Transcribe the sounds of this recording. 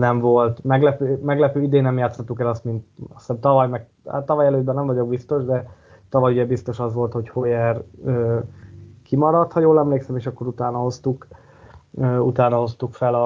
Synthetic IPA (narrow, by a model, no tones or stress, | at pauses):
nɛɱvo̞lt̪mɛɡlɛpøːmɛɡlɛpøːid̪eːnɛmjaːt̪shɒt̪ːukɛlɒst̪mint̪ɒst̪ɛmt̪ɒvɒjmɛɡ | a̰t̪ːɒvɒjɛløːd̪bɛnːɛɱvɒɟo̞ɡ̚bist̪o̞ʒd̪ɛ | t̪ɒvɒjuɟɛbist̪o̞ʃɒzʋo̞lt̪hochojɛrøː | kʰimɒɾɒt̪hɒjoːlɛmleːksɛmeːʃɒkːo̞ɾut̪aːnɒho̞st̪uk | øːut̪aːnɒho̞st̪ukfɛlɒ